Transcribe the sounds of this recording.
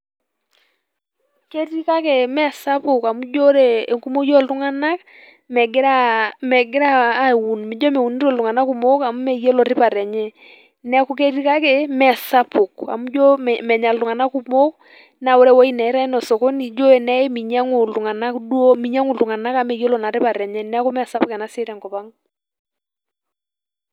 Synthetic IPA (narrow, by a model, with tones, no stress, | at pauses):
ke˦ti˦ka˦ke˨mɛ˦˨sa˦pʊ˨ka˨mu˦d͡ʒo˦ɾe˨e˨ŋku˦mo˦jo˦˨ltu˦ŋa˦na˦k̚ | mɛ˨ɡɪ˦ɾa˦mɛ˨ɡɪ˦ɾaː˦˨wu˨nmi˨˦d͡ʒo˦me˨wu˨ni˦ɾo˦˨lu˨ŋa˨na˦ku˨mo˦ka˨mu˦me˨je˦lɔ˨ɾɪ˦pa˨ɾɛ˨ɲe˦ | nɛ˦ku˨˦k̬e˦ti˦ka˦ke˨mɛ˨sa˦pʊ˨ka̰˨mu˦d͡ʒɔ˦mɛ˨ɲa˨ltʊ˨ŋa˨na˦ku˦mo˦k | na˨wɔ˦ɾɛ˦wɔ˦i˦nɛ˨˦ɾa˦ɪ˦nɔ˨sɔ˨kɔ˦ni˨d͡ʒo˦ɛ˨nɛ˦mi˨ɲa˦ŋʊ˨lu˨ŋa˨na˦kdwo˦mi˨ɲa˦ŋʊ˨ltu˨ŋa˨na˦ka˨mɛ˨jo˦lɔ˨na˨ɾɪ˦pa˨ɾɛ˨ɲɛ˦nɛ˦a˦ku˦mɛ˦˨sa˦pʊ˦kɛ˨na˦sɪ˦ɾɛ˨ŋkɔ˨pa˦ŋ